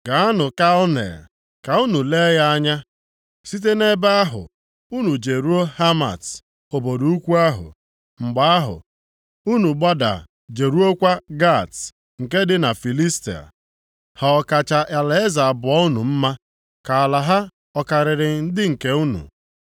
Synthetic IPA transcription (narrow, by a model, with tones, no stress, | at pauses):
ɡa˨a˦nʊ˨ka˦ɔ˦nḛ˨ | ka˨u˦nu˨le˦ja˦a˦ɲa˦ | si˦t̬e˦ne˦ba˦a˦ɦʊ̰˨ | u˦nu˨d͡ʒe˨ɾu˦o˦ha˦ma̰˨t | o˨bo˨du˨u˦kʷu˦a˦ɦʊ̰˨ | ŋ͡m̩˨ɡ͡ba˨˦a˦ɦʊ̰˨ | u˦nu˨ɡ͡ba˦da̰˨ | d͡ʒe˨ɾu˦o˦kʷa˦ɡa˦˨ts | ŋ̩˨ke˦dɪ˦na˨fi˨li˦sti˨a̰˨ | ha˨ɔ˨ka˨t͡ʃa˨ʔa˨la˦e˦za˨a˨bʊ˨ɔ˦u˦nu˨m̩˦ma˦ | ka˨a˨la˨ɦa˦ | ɔ˦ka˨ɾɪ˨ɾɪ˨n̩˦dɪ˦ŋ̩˨ke˦u˦nṵ˨